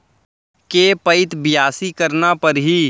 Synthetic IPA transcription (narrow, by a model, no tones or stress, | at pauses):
keːpəɪt̪bɪjaːsikəɾnapɐɾɦiː